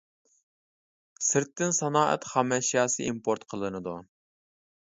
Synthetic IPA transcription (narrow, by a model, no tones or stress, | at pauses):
sɪɾt̪ːɪnsɑnɑːʔɛ̰t̪χɑmɛʃijɑːsɨimpʰoɾt̪qʰəlˠɨnɨd̪u